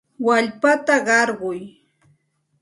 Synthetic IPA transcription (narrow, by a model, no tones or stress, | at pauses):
waʎpat̪aɢɑɾɢʊj